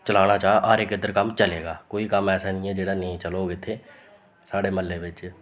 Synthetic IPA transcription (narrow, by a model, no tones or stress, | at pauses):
t͡ʃəlaːɽaːt͡ʃaːʔaːɾɪkɪd̪əɾkəmt͡ʃəleːɡaːkoːiːkəmɛːsaːnɪ̃ːɛ̃ːd͡ʒeːɽaːnĩːt͡ʃəloːɡɪt̪ʰːeː | saːɽeːməlːeːʋɪt͡ʃ